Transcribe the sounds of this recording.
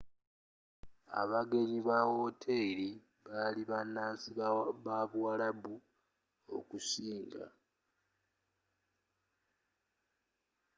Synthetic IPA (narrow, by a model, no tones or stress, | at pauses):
a̰βaɡe̞ɲiβawo̞tʰeɾi | βaliβanːaːnsiβaβwwalabu | o̞̰kusiːŋɡa̰